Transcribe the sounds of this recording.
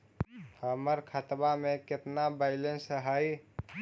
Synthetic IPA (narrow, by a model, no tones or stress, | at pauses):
həməɾkʰət̪bamẽkɪt̪nabaɪlensəɦai